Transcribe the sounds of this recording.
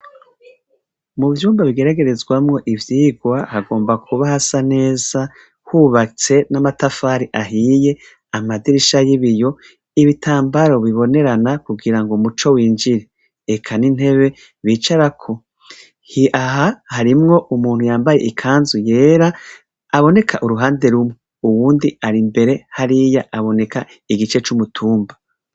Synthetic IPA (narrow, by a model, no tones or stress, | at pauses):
muvjuːmbaβiɡe̞ɾaɡe̞ɾe̞zɡwamŋo̞ʔivjiːɡwahaɡo̞ːmbakʰuβahasane̞ːz̥a | huβat͡se̞namatafaːɾiʔaɦije̞ | amadiɾiʃajiβijo̞ | iβitʰaːmbaɾo̞βiβo̞ne̞ɾanakuɡiɾaŋɡomut͡ʃo̞wiːnd͡ʒiɾe | ekʰanin̥he̞βe̞ | βiːt͡ʃaɾakʰo̞ | hiʔaɦahaɾimŋo̞ʔumuːnhujaːmbajeʔikʰaːnzuje̞ːɾaː | βo̞ne̞kʰaʔuɾuɦaːnde̞ɾumŋe | uwuːndiaɾimbe̞ɾe̞haɾijaʔaβo̞ne̞ka | iɡit͡ʃe̞t͡ʃumutʰuːmba